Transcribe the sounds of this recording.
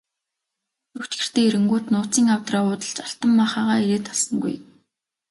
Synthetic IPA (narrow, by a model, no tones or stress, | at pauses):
ɵkt͡ɕɡɘ̆r̥t̪eːeɾɘ̆ŋɡuːt̪nʊːt͡siːŋawt̪raːʊːt̪ə̆ɮt͡ɕaɬt̪ə̆mːaχaːʁaːeɾeːt̪ʰɔɮsə̆ŋɡṵj